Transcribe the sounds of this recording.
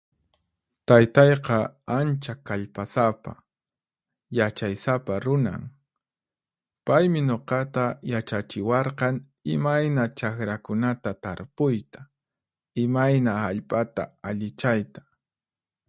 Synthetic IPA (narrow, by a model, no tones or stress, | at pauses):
t̪ajt̪ɑjqɑant͡ʃakaʎpasapa̰ | jat͡ʃajsapaɾʊna̰ŋ | pajmɪɲoqɑt̪ajat͡ʃat͡ʃɪwɑɾqɑŋ | ɪmajnat͡ʃakɾakʊnat̪at̪aɾpʊjt̪ḁ | ɪmajnaaʎpʼat̪a̰aʎɪt͡ʃajt̪ḁ